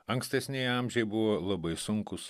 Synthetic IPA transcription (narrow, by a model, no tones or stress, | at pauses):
ɐŋksʲt̪ʲɛsʲnʲɛjɑmʲʒʲɛɪbʊʋoːlˠɐbɐɪsʊŋkʊs